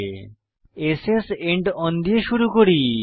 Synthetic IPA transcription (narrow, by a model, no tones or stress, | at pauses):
eseseɳʈɔnd̪ieʃuɾukoɾi